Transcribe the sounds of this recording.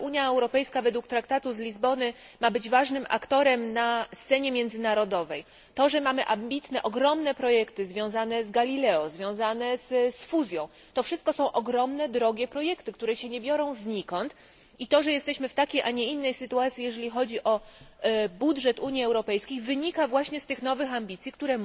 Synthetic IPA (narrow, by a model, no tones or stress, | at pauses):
ʔuɲjaɛwɾɔpɛjskavɛd̪wukt̪ɾakt̪at̪uzlʲizbɔnɘmabɘd͡ʑvaʐnɘmʔa̰kt̪ɔɾɛmnast̪sɛɲɛmʲjɛnd̪zɘnaɾɔd̪ɔvɛj | t̪ɔʐɛmamɘʔambʲit̪nɛʔɔɡɾɔmnɛpɾɔjɛkt̪ɘzvʲjɔ̃w̃zanɛzɡalʲilɛɔzvʲjɔ̃w̃zanɛzsfuzʲjɔ̃w̃ | t̪ɔfʂɘst̪̚kɔsɔ̃w̃ʔɔɡɾɔmnɛd̪ɾɔɡʲɛpɾɔjɛkt̪ɘkt̪uɾɛɕɛɲɛbʲjɔɾɔ̃w̃zɲikɔnt̪ | it̪ɔʐɛjɛst̪ɛɕmɘft̪akʲejʔaɲɛinːɛjsɘt̪uat̪sʲjijɛʐɛlʲixɔd͡ʑiʔɔ | budʐɛt̪uɲjiɛwɾɔpɛjskʲejvɘɲikavwaɕɲɛst̪ɘxnɔvɘxambʲit̪sʲjikt̪uɾɛ